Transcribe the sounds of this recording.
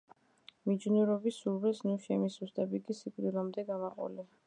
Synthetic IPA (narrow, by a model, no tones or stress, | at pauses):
mid͡ʒnuɾɔbisuɾbɛsnuʃɛmisust̪ʼɛbikʼisikʼɾilamd̪ɛɡamaqʼɔ̰li